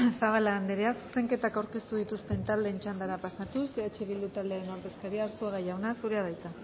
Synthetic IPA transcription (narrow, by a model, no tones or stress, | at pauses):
faɣalaːnd̪eɾeasu̥se̞ŋke̞t̪akawɾke̞st̪uðit̪ust̪e̞nt̪ald̪e̞ːnt͡ʃand̪aɾapasat̪useet͡ʃeβild̪ut̪ald̪eeno̞ɾðe̞skaɾiaːɾsuaɣajawnasuɾeaðajt͡sa